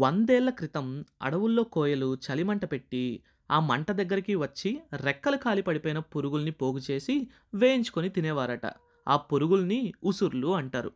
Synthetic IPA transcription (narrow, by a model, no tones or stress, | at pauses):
ʋɐnd̪ɛːlːɐkɾit̪ɐmɐ̰ɽɐʋulːo̞ːkɔːjɐlut͡ʃɐlimɐɳʈɐpe̞ʈːi | aːmɐɳʈɐd̪ɐɡːɐɾikiʋɐt͡ʃːiɾɛkːɐlɐkaːlipɐɽipɔːjnɐpuɾuɡulnipo̞ːɡut͡ʃe̞ːsi | ʋeːjiɲt͡ʃu̥konit̪inɛːʋaːɾɐʈɐ̰ | a̰ːpuɾuɡulniusuɾluɐɳʈaːɾṵ